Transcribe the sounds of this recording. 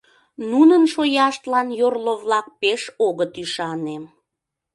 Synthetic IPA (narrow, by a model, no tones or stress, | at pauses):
nunənʃojɑʃt̪lɑnjorloβlɑk̚peʃoɣət̪yʃɑnem